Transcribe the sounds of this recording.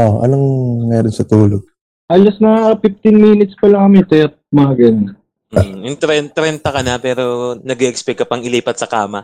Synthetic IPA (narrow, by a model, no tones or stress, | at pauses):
oʔʔɐ̰lɐŋmɛːɾonsɐt̪uːloɡ̚ | ʔɐlɐsnɐaɐpɪft̪ɪnmiːnɪt̪spɐlɐŋkɐmɛt̪ɐjɐt̪̚maɡɐn | jʊŋt̪ɾɛnt̪ɾɛnt̪ɐkɐnɐpɛːɾonɐɡɛʔɛkspɛkːɐpɐŋɪliːpɐt̪̚sɐkaːmɐ